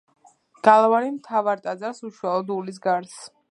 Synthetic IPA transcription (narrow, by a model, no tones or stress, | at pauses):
ɡ̥alˠvaɾimt̪ʰavaɾt̪ʼad̪zaɾsuʃwalˠɔd̪ulis̬ɡaɾs